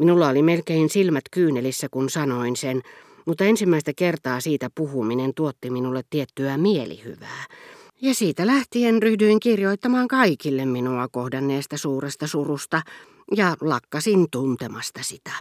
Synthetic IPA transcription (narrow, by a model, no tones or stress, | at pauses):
minulːɑolimelkeinsilmæt̪kyːnelisːækunsɑnoinsen | mut̪ːɑensimːæist̪ækert̪ɑːsiːt̪æpuhuminent̪uot̪ːiminulːet̪t̪iet̪ːyæmielḭhy̰ʋæː | jɑsiːt̪ælæht̪ienryhdyiŋkirjoit̪ːɑmɑːŋkɑikilːemminuɑkohdɑnːeːst̪ɑsuːrest̪ɑsurust̪ɑ | jɑlɑkːɑsint̪unt̪emɑst̪ɑsit̪æ̥